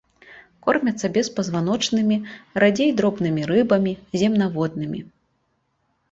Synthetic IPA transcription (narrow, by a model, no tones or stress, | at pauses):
kɔrmʲɐt̪sɐbʲɛspɐzvan̪ɔt͡ʂnɨmʲiɾad͡zʲejd̪ɾɔbnɨmʲiɾɨbɐmʲizʲɛmnavɔd̪nɨmʲḭ